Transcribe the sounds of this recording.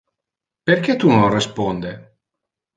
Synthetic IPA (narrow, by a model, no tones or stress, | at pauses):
perkɛt̪unonrespond̪e